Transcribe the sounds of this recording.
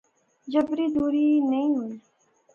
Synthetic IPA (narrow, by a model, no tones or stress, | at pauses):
d͡ʒɐbɾid̪uːɾinɐɦĩɦui